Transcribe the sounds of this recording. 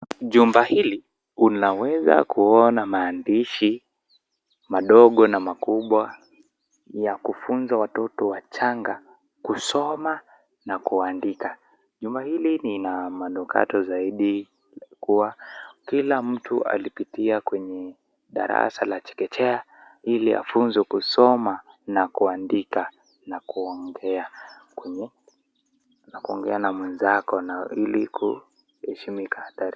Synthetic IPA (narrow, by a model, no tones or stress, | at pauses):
ʄumbahili | unawɛza̰kuɔnamaːndiʃi | maɗɔɠɔnamakuɓwa | jakufunzawatɔtɔwat͡ʃaŋɡa | kusɔma | nakuandika | ʄumbahilininamanukʰa̰tɔzaiɗi | kuwakilam̩tʰua̰lipitiakwɛɲɛ | ɗa̰ɾa̰salat͡ʃɛ̥kɛtɛa | ilia̰funzɛkusɔmanakuandika | nakuɔŋɡɛakwɛɲɛ | nakuɔŋɡɛanamwɛnzakɔnailikʰṵ | hɛʃimikahataɾi